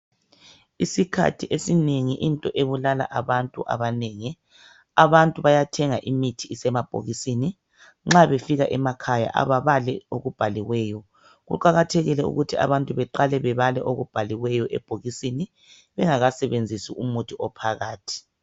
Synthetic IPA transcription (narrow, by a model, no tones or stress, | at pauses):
isikʰa̰tʰiʔesineŋiʔintʼɔʔeβulala̰ʔaβantʼuʔa̰βaneŋi | aβantʼuβajatʰɛŋaʔimitʰiːsɛmab̥ʱo̰ɣisini | ŋ͡ǁaβefiɣaʔɛmakʰaja̰ʔa̰βaβalɛoɣub̥ʱaliwɛːjɔ | ɣṵǃaɣatʰɛɣilɛṵɣutʰia̰βantʼuβɛǃalɛβɛβalɛʔoɣub̥ʱaliwɛjɔʔɛ̰b̥ʱoɣisini | βɛŋaɣasɛβend͡zʱisiʔumutʰiɔpʰaɣaːtʰi̥